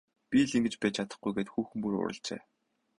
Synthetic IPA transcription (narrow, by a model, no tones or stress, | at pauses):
pʲiɮiŋɡɘ̆t͡ɕpæːt͡ɕʰat̪ə̥̆χɡujɡeːt̪xuːxɘ̆mpuɾʊ̰ɾə̰̆ɬt͡ɕḛː